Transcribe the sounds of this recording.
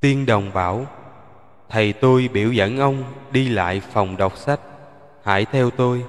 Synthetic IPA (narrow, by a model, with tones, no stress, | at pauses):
t̪i˧ənɗə˨˩wŋ͡mɓaː˧˥˦w | t̪ʰə˨˩jt̪o˧jɓḭ˧˩˥əwzə̰˧˥nʔə˧wŋ͡mɗi˧la̰ː˧˨jfa˨˩wŋ͡mɗə˨˩wk͡p̚sa˦˥k̚ | ha̰ː˧˥jt̪ʰɛ˧wt̪o˧j